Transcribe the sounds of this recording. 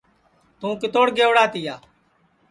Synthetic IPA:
t̪ũːkɪt̪oːɽɡeːʋɽaːt̪ɪjaː

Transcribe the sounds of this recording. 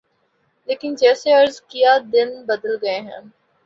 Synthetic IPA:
leːkɪnd͡ʒɛːseɐɾzkijad̪ɪnbəd̪əlɡɐeɦə̰̃ːn

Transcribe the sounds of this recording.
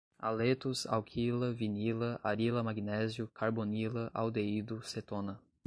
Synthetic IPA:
a̰let̪ʊza̰wkʰilɐvinilɐʔaɾilɐmaɡinɛzjʊkʰaɾbonilɐʔawd̪eid̪ʊset̪õnɐ

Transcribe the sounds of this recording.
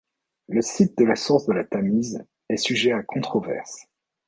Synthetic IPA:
ləsit̪̚d̪əlasuʁsd̪əlat̪amiz | ɛsyʒɛakʰɔ̃t̪χɔvɛ̰ʁs

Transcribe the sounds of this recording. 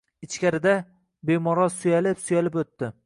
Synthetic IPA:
ɪt͡ʃkʲaɾɪd̪a | be̞mɒɾɒsʊjalɪpsʊjalɪpot̪ːɪ

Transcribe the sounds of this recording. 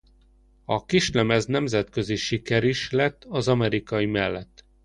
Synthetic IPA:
ɒkiʃlɛmɛznɛmzɛt̪køziʃikɛɾiʃlɛt̪ːɒzɒmɛɾikɒjimɛlːɛt̪ː

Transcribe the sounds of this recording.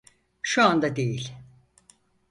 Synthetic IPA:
ʃuand̪ad̪e̞jilʲ

